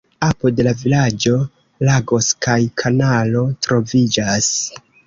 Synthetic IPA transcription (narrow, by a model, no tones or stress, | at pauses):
apode̞lavilad͡ʒo̞ | laɡo̞skajkʰanalo̞tɾo̞vid͡ʒas